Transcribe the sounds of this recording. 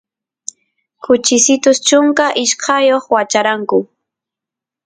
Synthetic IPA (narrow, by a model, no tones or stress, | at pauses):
kʊt͡ʃɪsɪt̪ʊst͡ʃʊŋkaʔɪʃkʰɑjoχwat͡ʃaɾaŋkʊ